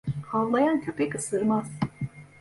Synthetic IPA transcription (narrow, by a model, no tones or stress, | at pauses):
havlˠajancʰøpʰɛkʰɯsɯɾmaz̥